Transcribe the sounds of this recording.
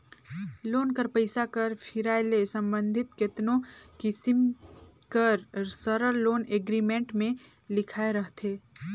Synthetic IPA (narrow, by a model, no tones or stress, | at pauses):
loːnkəɾpəɪsakɐɾpʰɪɾaːɪlesɐ̃mbə̃nd̪ʱɪt̪kɪt̪nõkɪsɪm | kəɾsəɾəɾloːneːɡɾimẽːɳʈmẽ | lɪkʰaːeɾɐɦt̪ʰeː